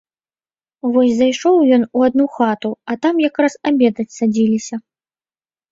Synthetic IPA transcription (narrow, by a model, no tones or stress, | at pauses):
vɔsʲzajʂɔwjɔnuad̪nuxat̪uɐt̪amjakɾasabʲɛd̪ɐt͡sʲsad͡zʲilʲisʲɐ